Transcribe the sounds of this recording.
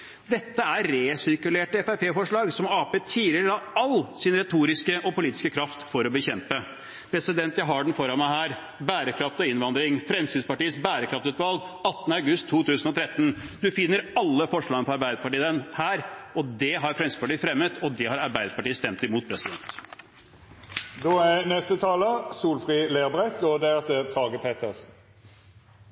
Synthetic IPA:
d̪ɛt̪ːəæɾɾeːsɪɾkʉleːʈəɛfæpʰeːfɔʂɭɑːɡsɔmɑːpeːt̪ʰiːləɾəd̪ɑɑlːsɪnɾɛt̪ʰuːɾɪskəʔɔpʰʊliːt̪ɪ̥skəkʰɾɑft̪fɔɾɔbəçɛmpə | pʰɾɛsɪd̪ɛnt̪jæɪɦɑɖɛn̩fɔɾɑnmæɪɦæːɾ | bæːɾəkʰɾɑft̪ɔɪnʋɑnd̪ɾɪŋfɾɛmsyːnspɑʈiːəsbæːɾəkʰɾɑft̪ʉːt̪ʋɑlɡɑt̪ːənəɑʉɡʉst̪ʰːuːt̪ʰʉːsənɔt̪ʰɾɛt̪ːənd̪ʉfɪnːəɾɑlːəfɔʂɭɑːɡənəpʰɔɑɾbæɪd̪əpʰɑʈiːd̪ənhæːɾɔd̪ɛɦɑɾfɾɛmsɪspɑʈiːəfɾɛmːət̪ʰɔd̪ɛhɑɾɑɾbæɪd̪əpʰɑʈiːəst̪ɛmt̪ɪmuːt̪̚pʰɾɛsɪd̪ɛnt̪ | d̪oːænɛst̪ət̪ʰɑːləsuːlfʁiːleːʁbʁɛkɔd̪æʁɛft̪əʁt̪ʰɑːɡəpʰeːt̪ʰəʁsn̩

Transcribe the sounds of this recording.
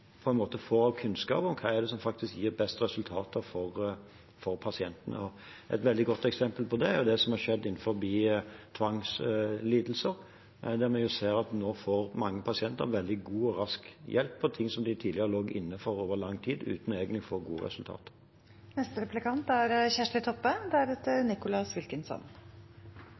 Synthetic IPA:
pʰɔɛnmoːt̪əfoːɾɑʋkʰʉnskɑ̰ːpɔmkʰɑæd̪ɛsɔmfɑk̚t̪ɪskjiːɾbɛst̪ɾɛsʉlt̪ʰɑːt̪əɾfɔɾ | fɔɾpʰɑsɪɛnt̪ənə̰ɔ | ʔɛ̰t̪ʋɛld̪ɪɡɔt̪ːɛksɛmpəlpʰɔd̪ɛæɾjʊd̪ɛsɔmhɑɾʂɛd̪ːɪnːfɔɾbiːt̪ʰʋɑŋsliːd̪l̩səɾ | d̪æɾmɛnjʊseːɾɑt̪noːfoːɾmɑŋːəpʰɑsɪɛnt̪ə̰ɾʋɛld̪ɪɡuːɔɾɑskjʔɛlpʰːɔt̪ʰɪŋːsɔmd̪ɪt̪ʰiːd̪lɪəɾəloːɡɪ̰nːəfɔɾoːʋəlɑŋːt̪ʰiːd̪ʉ̰ːt̪nɔeːɡənɪfoːɡṵːə̰ɾɛ̰sʉlt̪ʰɑ̰ːt̪ə̥ | nɛst̪əɾɛplɪkɑnt̪æɾçæʂʈ̪ɪt̪ʰɔpːəd̪ɛæɾɛt̪əɾnɪkʊlɑsʋɪlkənsɔ̰n

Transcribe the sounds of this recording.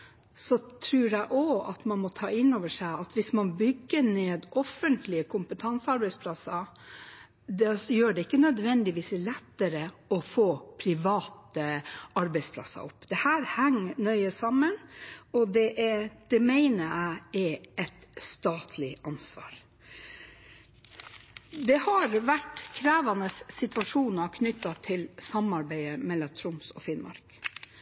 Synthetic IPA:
sɔt̪ʰɾʉːɾæɪʔɔɑ̰t̪mɑnmɔt̪ʰɑ̰ːɪnoːʋəʂæɪɑt̪ʋɪsmɑnbʏɡːəɳeːd̪ʔɔfənt̪ʰlɪəkʰʊmpət̪ʰɑnsɑɾbæɪspʰlɑsːɑ | d̪ɛjøːɖɛɪkːənœd̪ʋɛnd̪ɪʋiːslɛt̪ːəɾəɔfoːpʰɾɪʋɑːt̪əɑɾbæɪspʰlɑ̰sːɑ̰ʔɔpːd̪̥ɛhæːɾhæŋnœʏəsɑmːənɔd̪ɛʔɛd̪̥ɛmæɪnəæɪɛɛt̪st̪ɑːt̪ʰlɪɑnsʋɑ̰ːɾ | d̪ɛhɑɾʋæʈkʰɾæːʋɑnəsːɪt̪ʋɑʂuːnɑkʰnʏt̪ːɑt̪ʰɪlsɑmɑɾbæɪəmɛlːɑt̪ʰɾʊmsɔ̰fɪnmʔɑ̰ɾk

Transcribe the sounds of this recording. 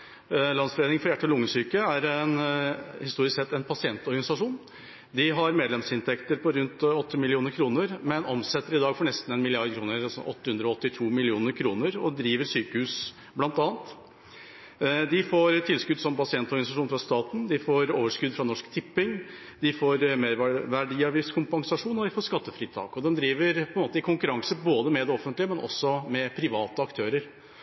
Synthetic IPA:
lɑnsfɔɾeːd̪ɪŋfɔɾjæʈːəɔlʊŋːəsyːkəæɾɛnhɪst̪uːɾɪsksɛt̪ːɛnpʰɑsɪɛnt̪ɔɾɡɑnɪsɑʂuːn | d̪ɪɦɑɾmeːd̪lɛmsɪnt̪ʰɛkt̪əɾpʰɔɾʉnt̪ɔt̪ʰːəmɪlɪuːnəɾkʰɾuːnəɾmɛnɔmsɛt̪ːəɾɪd̪ɑːɡfɔɳɛst̪n̩ɛnmɪlɪɑɾɖ̪kʰɾuːnəɾsɔ̰ɔ̰t̪ːəhʉnd̪ɾɔɔt̪ːɪt̪ʰuːmɪlɪuːnəɾkʰɾuːnəɾɔ̰d̪ɾiːʋəɾʂyːkəhʉːs | blɑnt̪ɑːnt̪ | d̪ɪfoːɾt̪ʰɪlskʉd̪sɔmpɑsɪɛnt̪ɔɾɡɑnɪsɑʂuːnfɾɑst̪ɑːt̪n̩d̪ɪfoːɾoːʋəʂkʉd̪fɾɑnɔʂkt̪ʰɪpːɪŋ | d̪ɪfoːɾmeːɾʋæɖiːɑʋiːskʰʊmpɑŋsɑʂuːnɔd̪ɪfoːʂkɑt̪ːəfɾiːt̪ʰɑ̰ːkɔd̪ɛnd̪ɾiːʋəɾpʰɔɛnmoːt̪əɪkʰʊŋkʉɾɑŋsəboːd̪əmɛd̪ɛɔfənt̪lɪəmɛnʔɔ̰sːɔmɛpʰɾɪʋɑːt̪əɑkt̪ʰøːɾəɾ

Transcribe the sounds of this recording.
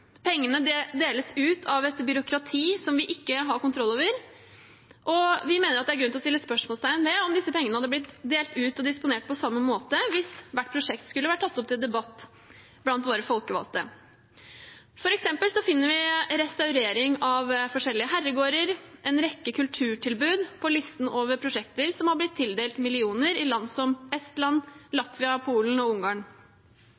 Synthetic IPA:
pʰɛŋːənəd̪eːləsʉːt̪ʰɑʋɛt̪bʏɾʊkɾɑt̪ʰiːsɔmʋɪʔɪkːəɦɑɾkʊnt̪ʰɾɔlːoːʋəɾ | ʔɔʋɪmeːnəɾɑt̪̚d̪ɛæɾɡʉnɔst̪ɪlːəspœʂmoɔlst̪ʰæɪənʋɛɔmd̪ɪsəpɛŋːənəhɑd̪əb̪ɪt̪d̪eːlt̪ʉːt̪ɔd̪ɪspʊneːʈ̚pʰɔsɑmːəmoːt̪əʋɪsʋæʈːpʰɾʊʂɛkt̪skʉləʋæʈʰːɑt̪ːɔp̚t̪ɪld̪ɛbɑt̪ː | blɑnt̪ʋoːɾəfɔlkəʋɑ̰lt̪ə̰ | fɔɾɛksɛmpəlsɔfɪnːəɾʋɪɾɛst̪ɑʉɾeːɾɪŋɑʋfɔʂɛlːɪəɦæɾːəɡoːɾəɾʔɛnɾɛkːəkʰʉlt̪ʰʉːʈʰɪlbʉːd̪pʰɔlɪst̪n̩oːʋəɾpʰɾʊʂɛkt̪əɾsɔmhɑblɪt̪ʰːɪld̪eːlt̪mɪlɪuːnəɾɪlɑnsɔmɛst̪lɑnːlɑt̪ʋɪɑpʰuːln̩ɔʊŋɡɑːɳ

